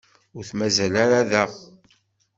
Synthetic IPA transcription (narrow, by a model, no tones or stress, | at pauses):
ʊɾθmæzælaɾaðæ